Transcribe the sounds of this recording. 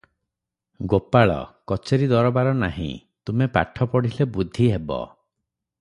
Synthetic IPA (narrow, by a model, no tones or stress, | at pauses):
ɡopaɭɔ̰kɔt͡ʃeɾid̪ɔɾɔbaɾɔnaɦḭ̃ | t̪umepa̰ʈʰɔpɔɽ̤ilebud̪ʱːiɦebɔ̰